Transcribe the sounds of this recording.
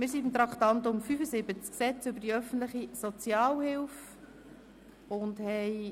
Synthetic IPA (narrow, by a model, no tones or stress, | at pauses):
mɪːɾsidmt̪ɾɑkχt̪ɑnt̪ʊmfyfəsɪbət͡sksɛt͡sʏbədiœfən̩tləχisɔt͡sjɑːlhɪlf | ʊndhɛɪ